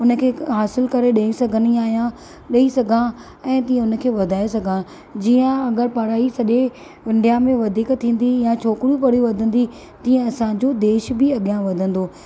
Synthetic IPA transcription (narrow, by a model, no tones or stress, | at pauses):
ʊnə̆kʰeːɦaːsɪlkɐɾeɗɐĩsɐɡʱəniaːɦijã | ɗɐisɐɡʱã | ɛ̃ːt̪ĩːə̃ʊnə̆kʰeːʋɐd̪ʱaːesɐɡʱã | d͡ʑiːə̃ɐɡəɾpɐɽaːisɐʄe | ʋɪ̃ɳɖijamẽʋɐd̪ʱiːkt̪ʰːĩːn̆d̪ijãt͡ɕʰoːkɾjũpɐɽ̤juʋɐd̪ʱə̃nd̪i | t̪ĩːə̃ɐsãd͡ʑod̪eːʃbɪɐɠijãʋɐd̪ʱə̃nd̪oː